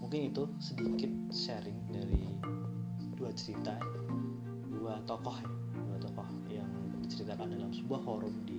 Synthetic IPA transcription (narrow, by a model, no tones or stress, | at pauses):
muŋkɪnit̪usədikɪt̪̚saɾɪŋdaɾi | duat͡ʃəɾit̪a | diwat̪ɔkɔhj | duat̪ɔkɔh | jaŋ | dit͡ʃəɾit̪akandalamsəbuahɦɔɾʊmdi